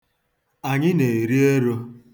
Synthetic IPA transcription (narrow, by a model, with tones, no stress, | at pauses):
a˨ɲɪ˦ne˨e˨ɾi˦e˦ɾo˦